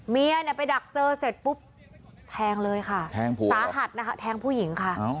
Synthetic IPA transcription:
mi˧əni˧˩ɐpa˧jda˨˩k̚t͡ɕɤː˧se˨˩t̪̚pu˦˥p̚ | t̪ʰɛː˧ŋlɤː˧jkʰa˥˩t̪ʰɛː˧˩ŋpʰu˧˨˩saː˨˦ɦa˨˩t̪̚na˦˥kʰa˦˥t̪ʰɛː˧ŋpʰuː˥˩ji˩˦ŋkʰa˥˩˧

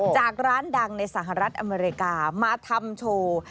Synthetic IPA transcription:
t͡ɕaː˨˩k̚ɾaː˦˥nda˧ŋna˧jsaː˩˦ɦa˨ɾa˦˥t̪̚ʔa˧meː˧ɾi˧kaː˧maː˧t̪ʰa˧mt͡ɕʰoː˧

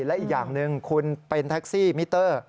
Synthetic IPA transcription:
lɛ˦˥ʔiː˨˩k̚jaː˨˩ŋnɯ˧ŋkʰu˧npe˧nt̪ʰa˦˥k̚siː˥˩mi˦˥t̪ːɤː˥˩

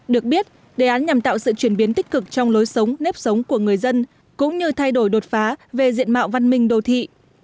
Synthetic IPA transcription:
ɗɨ˨˩ək̚ɓi˦˥ət̚ | ɗe˨˩ʔaː˨˦nɲa˨˩mt̪a̰ː˧˨wsɨ̰˧˨t͡ɕwi˧˩ənɓi˨˦ənt̪ï˦˥k̟̚kɨ˨˩k̚t͡ɕɔ˧wŋ͡mlo˨˦jsə˨˦wŋ͡mne˦˥p̚sə˨˦wŋ͡mku˧˩əŋɨ˨˩əjzə˧n | kʊ̰˧˥ŋ͡mɲɨ˧t̪ʰa˧jɗo˧˩jɗo˨˩t̚faː˨˦ve˨˩zḭ˧˨ənma̰ː˧˨wva˧nmï˧ŋ̟ɗo˨˩t̪ʰḭ˧˨

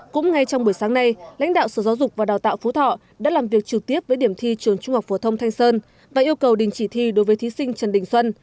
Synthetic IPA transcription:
kʊ̰˧˥ŋ͡mŋa˧jt͡ɕɔ˧ŋ͡mɓu˧˩əjsaː˨˦ŋna˧jla̰˧˥jŋ̟ɗa̰ː˧˨wsəː˧˩za˨˦wzʊ˨˩k͡p̚vaː˨˩ɗaː˨˩wt̪a̰ː˧˨wfu˨˦t̪ʰɔ̰˧˨ | ɗa̰ː˧˥laː˨˩mvi˨˩ək̚t͡ɕɨ˨˩k̚t̪i˦˥əp̚vəː˨˦jɗi˧˩əmt̪ʰi˧t͡ɕɨ˧˩əŋt͡ɕʊ˧ŋ͡mhwk͡p̚fo˧˩t̪ʰə˧wŋ͡mt̪ʰa˧jŋ̟səː˧n | vaː˨˩ʔi˧əwkə˨˩wɗï˨˩ŋ̟t͡ɕi˧˩t̪ʰi˧˩ɗo˨˦jvəː˨˦jt̪ʰi˨˦sï˧ŋ̟t͡ɕə˨˩nɗï˨˩ŋ̟swə˧n

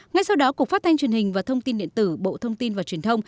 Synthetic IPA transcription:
ŋa˧jsa˧wɗɔ˨˦ku˨˩ək̚fa˦˥t̪̚ʰa˧ŋ̟t͡ɕwi˨˩ənhï˨˩ŋ̟vaː˨˩t̪ʰə˧wŋ͡mt̪i˧nɗḭ˧˨ənt̪ɨ˧˩ɓo̰˧˨t̪ʰə˧wŋ͡mt̪i˧nvaː˨˩wt͡ɕi˨˩ənt̪ʰə˧wŋ͡m

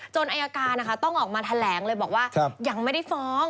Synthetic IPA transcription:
t͡ɕo˧nʔa˧jaː˧kaː˧nːa˦kʰa˦˥t̪ɔ˥˩ŋʔɔː˨˩k̚maː˧t̪ʰa˧lɛː˩˦ŋlɤː˧jbɔː˨˩k̚waː˥˩kʰja˧ŋma˥˩jda˥˩jfɔː˦˥ŋ

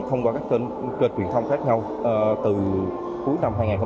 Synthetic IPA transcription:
t̪ʰə˧wŋ͡mkɔː˧kaː˦˥k̚t̪e˧n | kəː˧˨˩n̚t͡ɕwi˨˩t̪ʰwŋ͡mxaː˦˥k̚ɲa˧w | t̪ɨ˨˩ | ku˨˦jna˧mhɦaː˧jŋa˨˩kxə˧

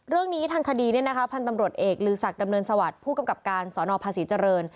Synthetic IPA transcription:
ɾɯ˥˩əŋniː˦˥t̪ʰaː˧ŋkʰa˧diː˧ni˥˩əna˦˥kʰa˦˥pʰa˧nt̪a˧mɾu˨˩ət̪̚ʔeː˨˩k̚lɯː˨˩sa˨˩k̚da˧mnɤː˧nsa˧wa˨˩t̪̚pʰuː˥˩ka˧mka˨˩p̚kaː˧nsɔː˩˦nɔː˧pʰaː˧siː˩˦t͡ɕa˧ɾɤː˧n

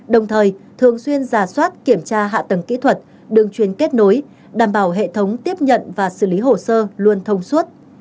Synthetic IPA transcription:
ɗə˨˩wŋ͡mt̪ʰəː˨˩jt̪ʰɨ˨˩əŋswi˧ənzaː˨˩swaː˦˥t̚ki˧˩əmt͡ɕaː˧ɦa̰ː˧˨t̪ə˨˩ŋkḭ˧˥t̪ʰwə˨˩t̚ | ɗɨ˨˩ŋt͡ɕwi˧˩ənke˦˥t̚no˨˦j | ɗaː˧˩mɓaː˧˩wɦḛ˧˨t̪ʰə˨˦wŋ͡mt̪i˦˥əp̚ɲə̰˧˨nvaː˨˩sɨ˧˩li˨˦ɦo˨˩səː˧lu˧ənt̪ʰə˧wŋ͡mswə˦˥t̚

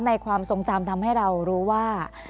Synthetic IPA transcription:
nːa˧jkʰwaː˧mso˧˩ŋt͡ɕa˧mt̪ʰa˧mha˥˩jɾa˧wɾuː˦˥waː˥˩

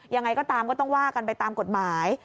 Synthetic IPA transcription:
ja˧ŋːa˧jkɔː˥˩t̪aː˧mkɔː˥˩t̪ɔ˥˩ŋwaː˥˩ka˧npa˧jt̪aː˧mko˨˩t̪̚maː˩˦j

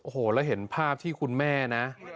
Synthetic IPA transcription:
ʔoː˨˩hoː˨˩lɛː˦˥wɦe˩˦npʰaː˥˩p̚t̪ʰiː˥˩kʰu˧nmɛː˥˩na˦˥ʔ

